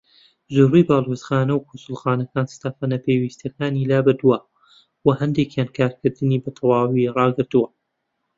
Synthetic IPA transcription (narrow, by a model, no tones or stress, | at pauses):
zorijbaːlˠwezxaːnɐwkʰosʊlˠxaːnɐkaːnst̪aːfanɐpʰeːwiːst̪jɐkaːnilaːbɨɾd̪uwɐ | wɐhɐnd̪ekjaːnkʰaːɾkɨɾd̪ɨniːbɐt̪ʰɐwaːwirɑːɡɨɾt̪uwɐ